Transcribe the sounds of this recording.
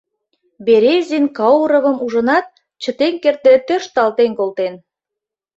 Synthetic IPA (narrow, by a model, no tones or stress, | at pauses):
beɾezʲinkɑwuɾə̆βə̆muʒə̆nɑt̪̚ | t͡ɕə̆t̪enkert̪et̪øʃt̪ɑlt̪enkolt̪en